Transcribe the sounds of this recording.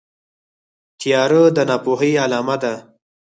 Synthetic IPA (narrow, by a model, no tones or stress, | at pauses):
t̪jɑɾəd̪ənɑpoɦəjalɑmad̪a